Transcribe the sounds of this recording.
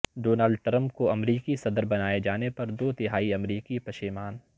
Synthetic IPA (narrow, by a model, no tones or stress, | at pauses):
ɖoːnaːlɖ̚ʈɾɐ̃mpkoɐmɾiːkisɐd̪əɾbɐnaːed͡ʒaːnepɐɾd̪oːt̪ɪɦaːiɐmɾiːkipɐʃimaːn